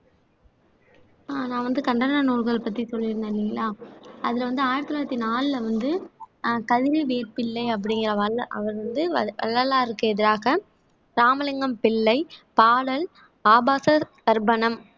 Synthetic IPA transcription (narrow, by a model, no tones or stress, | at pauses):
aːnãːʋɐnd̪ɯkɐɳɖɐnɐnuːɾɣɐɭpɐt̪ːɾisɔlːɪɾɯnd̪ɐlɪŋɡɐlaːɐðɪlɐʋɐnd̪ɯaːjɪɾɐt̪ːɯlaːɪɾɐt̪ːinaːlɯlɐʋɐnd̪ɯkɐðɪɾɯʋeːɾpɪlːɐɪɐp̬ːɐɽɪŋɡɪɾɐɐlʔɐ̰ʋɐɾʋɐnd̪ɯʋɐ̰ɭːɐlaːɪɾɯkːɯɛðɪɾaːɣɐ | ɾaːmɐlɐŋɡɐmpɪɭːɐɪpaːɽɐl | aːbaːsɐkɐɾbɐnɐm